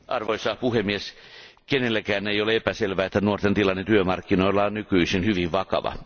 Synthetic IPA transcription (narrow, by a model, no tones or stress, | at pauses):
ʔɑrʋoisɑːhpuhemːies | kenelːækæːneijoleepæselʋæːet̪ːænuort̪ent̪ilɑnːent̪yømɑrkːinoilːˑɑːnnykyisinhyʋiʋʋɑkɑ̰ʋɑ̰